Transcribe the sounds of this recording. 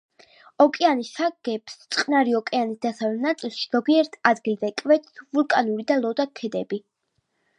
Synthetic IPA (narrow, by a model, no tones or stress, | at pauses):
ɔkʼɛanisaɡ̥ɛpst̪sʼqʼnaɾiɔkʼɛanisd̪asavlɛnat̪sʼilˠʃiz̥ɔɡiɛɾt̪ʰad̪ɡilˠzɛkʼvɛt̪vulˠkʼanuɾid̪alˠɔd̪akʰɛd̪ɛbi